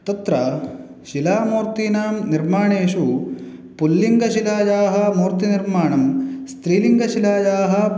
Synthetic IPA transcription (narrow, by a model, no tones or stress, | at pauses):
t̪ɐt̪ɾɐ | ʃilaːmuːɾt̪iːnaːmniɾmaːɳeːʃupulːiŋɡɐʃilaːjaːɦɐ̆muːɾt̪iniɾmaːɳɐmst̪ɾiːliŋɡɐʃilaːjaːɦɐ